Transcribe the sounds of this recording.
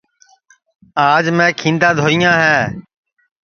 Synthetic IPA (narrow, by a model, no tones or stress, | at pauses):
aːd͡ʒmɛ̃ːkʰĩːnd̪ãːd̪ʱoːɪjãːɦɛː